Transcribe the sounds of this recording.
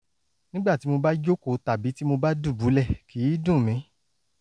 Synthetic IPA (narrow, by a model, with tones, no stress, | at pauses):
nĩ˦ɡ͡ba˦˨ti˨˦mo˧ba˦d͡ʒo˦ko˧˨ta˨bi˨˦ti˦mo˧ba˦du˦˨bu˨˦lɛ˦˨ki˨˦i˦dũ˦˨mĩ˨˦